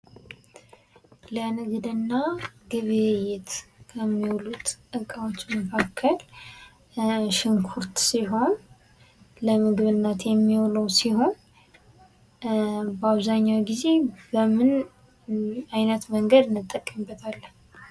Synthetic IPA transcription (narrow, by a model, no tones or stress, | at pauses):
lənɨɡd̪ɨnːaɡɨβejɛt̪kʰəmːiwlut̪ʔɨkʼawot͡ʃːməkʰakʰːəl | ʃɪŋkʰuɾt̪siɦo̞n | ləmɨɡɨβɨnːat̪jɛmːiwləwsiho̞n | bəaβzaɲːawɡize̞bəmɨn | ajnət̪məŋɡəd̪ɨnːɨt̪ʼːəkʼːəmbːət̪ʰalːən